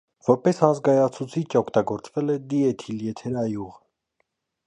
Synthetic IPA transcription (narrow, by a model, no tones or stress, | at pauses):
vɔɾpɛsɑnzɡɑjɑt͡sʰut͡sʰit͡ʃʰɔkʰt̪ɑɡɔɾt͡svɛlɛd̪iɛt̪ʰiljɛt̪ʰɛɾɑjuʁ